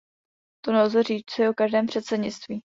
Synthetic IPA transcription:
t̪onozɛriːt͡sɛʔokaʒdɛːmpr̥ɛt̪sɛdɲɪt͡st̪viː

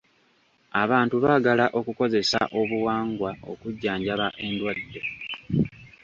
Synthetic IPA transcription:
aβaːntuβaːɡalaʔo̞kuko̞ze̞sa̰ʔo̞βuwaːŋɡwao̞̰kuɟːaːɲɟaβaʔe̞ndwadːe̞

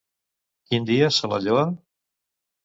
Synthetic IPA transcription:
kind̪iəsəla̰ʎoa

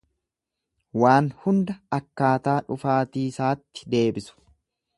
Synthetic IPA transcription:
waːnhʊnd̪ɐɐkːaːt̪aːᶑʊfaːt̪iːsaːt̪ːɪ̥d̪e̞ːbɪsʊ̥

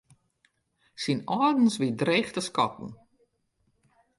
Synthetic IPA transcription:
sinɔːdn̩sʋidreːxtəskɔtn̩

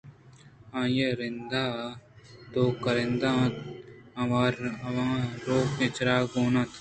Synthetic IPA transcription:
ãːjəɾɪnd̪aː | t̪oːkəɾɪ̃nd̪ãːɐʋaːɾɐʋãːɾoːkẽt͡ʃɾaːɡoːnat̪ʰ

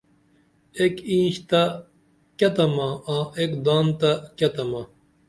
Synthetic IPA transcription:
ekĩːɕt̪a | kʲɐt̪ɐmaãːʔekd̪aːnt̪akʲɐt̪ɐma

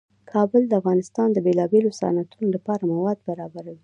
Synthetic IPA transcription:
kʰɑbəld̪əafɣɑnɪst̪ɑnd̪əbelɑbelosɑ̰nat̪unolapɑɾamawɑd̪̚baɾɑbaɾawi

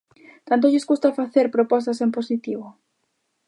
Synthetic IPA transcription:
t̪ant̪̬oʎɪzɡust̪afaθeɾpɾopɔs̬t̪asemposit̪iβo

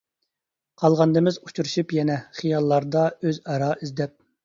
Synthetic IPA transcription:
qʰɑlˠʁɑnd̪ɨmɪzu̥t͡ʃuɾuʃupjɛnɛχijɑlˠːɑɾd̪ɑøzɑɾɑizd̪ɛp̚

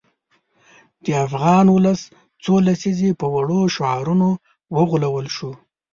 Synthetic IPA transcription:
d̪̥əafɣɑnwʊləs | t͡solasizepəwaɽoʃoɑɾuno | wəɣulawəlʃu

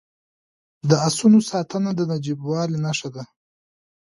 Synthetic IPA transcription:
d̪əasunosɑːt̪ənad̪ənad͡ʒibwɑːlinaʂad̪a

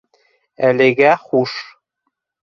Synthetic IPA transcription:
ælɘ̆ɡæχuʃ

